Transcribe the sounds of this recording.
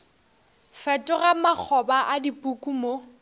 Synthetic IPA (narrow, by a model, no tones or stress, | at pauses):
fɛtʼʊramak͡xʰɔbaʔadipʼukʼumo